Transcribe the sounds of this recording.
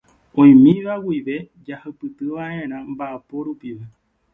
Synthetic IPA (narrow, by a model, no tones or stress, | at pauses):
õ̞j̃mĩʋawiʋe̞ | d͡ʒahapɨt̪ɨʋaʔẽɾ̃ãmbaʔepo̞ɾupiʋe